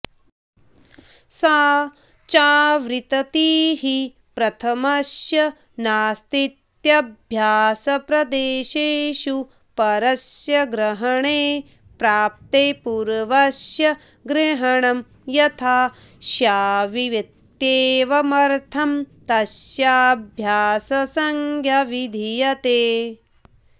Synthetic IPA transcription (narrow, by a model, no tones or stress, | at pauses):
saː | t͡ʃaːʋɾit̪ɐt̪iːɦi | pɾɐt̪ʰɐmɐʃjɐ | naːst̪it̪ | jɐbʱjaːsɐpɾɐd̪eːʃeːʃu | pɐɾɐsjɐɡɾɐɦɐɳeː | pɾaːp̚t̪epuɾʋɐʃjɐ | ɡɾeɦɐɳɐm | jɐt̪ʰaː | ʃjaːʋiʋɐt̪jeːʋɐmɐɾt̪ʰɐmt̪ɐsjabʱjaːsɐsɐŋkjaʋid̪ʱijɐt̪eː